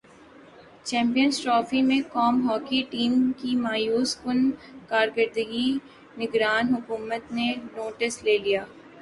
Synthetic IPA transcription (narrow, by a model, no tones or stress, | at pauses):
t͡ʃɛ̃ːmpijənsʈɾɔːfimẽkɔːmɦɔːkiʈiːmkimaːjuːskʊnkaːɾkəɾd̪əɡi | nɪɡɾaːnɦʊkuːmət̪nenoːʈəsleːlijaː